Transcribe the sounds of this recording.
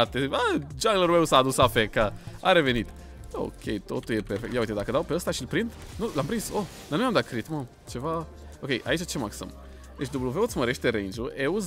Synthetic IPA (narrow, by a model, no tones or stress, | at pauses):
at̪eəd͡ʒaɡləɾmewsaːd̪usafekaa̰ɾe̞venit̪ | o̰kʲʰḛjt̪o̞t̪uljepeɾfekt̪jawuit̪ed̪akəd̪awpeəst̪aʃilpɾind̪ | nulampɾimsod̪anumjamd̪at̪̚kɾit̪mo | t͡ʃe̞va | okʲe̞jʔa̰it͡ʃat͡ʃemaksə̰m | d̪et͡ʃd̪ubluvewot̪sməɾeʃt̪eɾend͡ʒuʔeuz